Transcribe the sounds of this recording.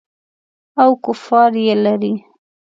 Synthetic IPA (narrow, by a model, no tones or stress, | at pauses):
awkʊfɑɾjelaɾi